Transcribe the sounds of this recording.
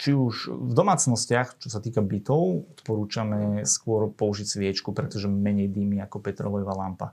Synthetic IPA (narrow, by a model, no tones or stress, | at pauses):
t͡ʃiuʃvd̪ɔmaːt͡snɔscɪaxt͡ʃɔsat̪iːkabit̪ɔʊɔt̪pɔɾuːt͡ʃamɛskʊɔɾpɔuʒicsʋɪɛt͡ʃkupɾɛt̪ɔʒɛmɛɲɛjd̪iːmiakɔpɛt̪ɾɔlɔjɔʋaːlampa̰